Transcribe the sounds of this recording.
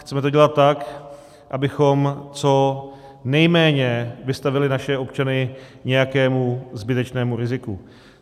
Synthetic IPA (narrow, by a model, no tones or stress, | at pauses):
xtt͡sɛmɛt̪o̞ɟɛlat̪̚ːak | ʔabɪxo̞mt͡so̞ | nɛjmɛːɲɛvɪst̪avɪlɪnaʃɛo̞pt͡ʃanɪɲɛjakɛːmuzbɪt̪ɛt͡ʃnɛːmuɾɪzɪku